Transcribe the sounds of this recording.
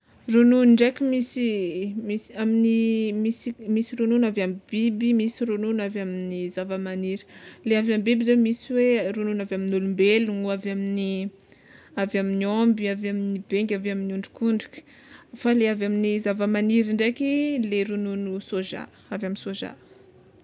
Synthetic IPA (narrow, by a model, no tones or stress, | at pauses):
rununɳɖ͡ʐekʲimisimiaminimisimisiɾununavambibimisiɾununavaminizavəmaniɾi̥leavambibizemisiwerununavaminulumbelunuavamini | avaminiombiavaminibeŋɡʲavaminuɳɖ͡ʐu̥kuɳɖ͡ʐi̥kə̥ | faleavaminizavəmaniɾiɳɖ͡ʐekileɾununusoʒa̰ | avjaminsoʒa̰